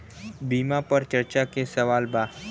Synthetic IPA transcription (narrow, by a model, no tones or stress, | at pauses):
biːmapɐɾt͡ʃɐɾt͡ʃakesɐʋaːlbaː